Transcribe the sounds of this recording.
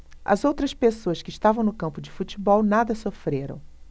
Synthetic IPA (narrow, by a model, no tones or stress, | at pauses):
ɐ̰zowt̪ɾɐspesoɐskɪːʃt̪avɐ̃w̃nʊkɐ̃mpʊd͡ʒɪfut͡ʃibɔwnad̪ɐsofɾeɾɐ̰̃w̃